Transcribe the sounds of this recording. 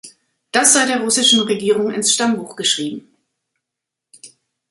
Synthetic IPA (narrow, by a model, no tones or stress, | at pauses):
d̥asz̥aɪdeːɐʁʊsɪʃn̩ʁeɡiːʁ̞ʊŋɪ̰nsʃtambuːxɡ̥əʃʁ̥iːbm̩